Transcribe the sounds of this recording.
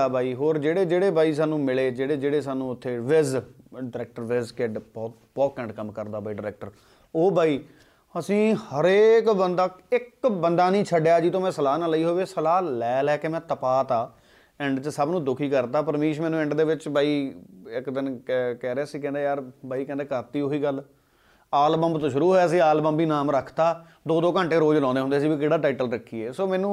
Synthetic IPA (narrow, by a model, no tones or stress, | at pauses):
aːbaːiːɦoːɾd͡ʒeːɽeːd͡ʒeːɽeːbaːiːs̬aːnũːmɪleːd͡ʒeːɽeːd͡ʒeːɽeːs̬aːnũːʊt̪ʰːeːʋɪzɖɪɾɛːk̚ʈəɾʋɪzkeɖbɔːt̪ | bɔːkə̃ɳɖkəmkəɾd̪aːbaːiːɖɪɾɛːk̚ʈəɾ | oːbaːiː | əsĩːhəɾeːkbənd̪aːɪkbənd̪aːnĩːt͡ʃʰəɖjaːd͡ʒiːt̪õːmɛ̃ːsəlaːnaːliːɦoːʋeːsəlaːlɛːlɛːkeːmɛ̃ːt̪əpaːt̪aː | ɛ̃ɳɖt͡ʃəsəbnũːd̪ʊkʰiːkəɾt̪aːpəɾmiːʃmɛːnũːɛ̃ɳɖd̪eːʋɪt͡ʃbaːiːɪkd̪ɪnkkɛːɾɛːsiːkɛ̃nd̪eːjaːɾbʱaːiːkɛ̃nd̪eːkəɾt̪iːoiːɡəl | aːlbəmbt̪õːʃʊɾuːɦoɛaːs̬ĩːaːlbəmbiːnaːmɾəkʰt̪aː | d̪oːd̪oːkə̃ɳʈeːɾoːd͡ʒlɔ̃ːnd̪eɦʊ̃nd̪eːs̬iːbiːk̬ɪːɽaːʈaɪʈəlɾəkʰːiːeːsoːmɛ̃ːnũː